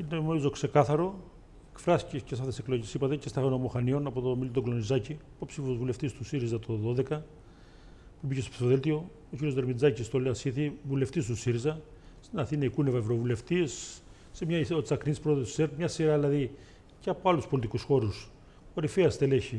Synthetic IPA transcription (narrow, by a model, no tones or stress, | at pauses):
inemeizo̞kse̞kɐθɐɾo̞ | ekfɾɐsi̥cecesɐft̪esekloʝesipɐt̪e̞cest̪ɐɣono̞moxɐnio̞nɐpo̞t̪omilt̪oklo̞nizɐci | popsifozvule̞ft̪ist̪usiɾizɐt̪oðo̞ðe̞kɐ | pubicest̪pi̥θoðelt̪io̞ | ociɾijozd̪eɾmid͡zɐcist̪oleɐsciθivule̞ft̪is̬t̪usiɾizɐ | st̪inɐθinɐikunevɐevɾovule̞ft̪isː | emɲɐiot͡sɐknispɾoeðosi̥seɾmɲɐsiɾɐilɐði | ceɐpoɐluspo̞lit̪ikusxo̞ɾus | oɾifeɐst̪eleçi